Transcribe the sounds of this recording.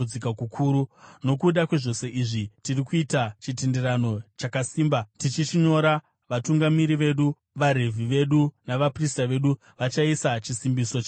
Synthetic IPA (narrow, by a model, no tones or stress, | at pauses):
d͡zikakukʰuːɾuno̞kuɗakwe̞ʐo̞se̞ʔiʐitirikuitat͡ʃitende̞ɾano̞t͡ʃakasiːmbatit͡ʃit͡ʃiɲo̞ɾa | ʋatuŋɡamiɾiʋe̞ɗu | ʋaɾe̞vʱiʋe̞ɗunaʋapristaʋe̞ɗu | ʋat͡ʃaisat͡ʃisimbiso̞t͡ʃ